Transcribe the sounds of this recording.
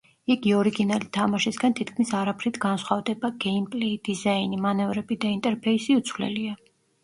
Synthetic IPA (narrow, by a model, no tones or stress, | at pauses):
iɡiɔɾiɡinalit̪ʰamaʃisɡant̪ʰit̪ʰkʰmisaɾapʰɾit̪ʰɡansχwavd̪ɛbaɡɛimpʼlɛid̪̥izainimanɛvɾɛbid̪aint̪ʼɛɾpʰɛisiut̪sʰwvlɛ̰lia